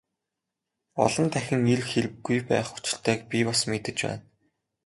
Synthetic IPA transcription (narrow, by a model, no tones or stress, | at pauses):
ɔ̰ɮɞ̆nt̪ʰæxʲɪ̆ŋiɮxeɾɘ̆ɡːujpæ̰ːχu̥t͡ɕɪ̆ɬt̪ʰœːk̚pʲipɔsmet̪ɘ̆t͡ɕpæ̰ːn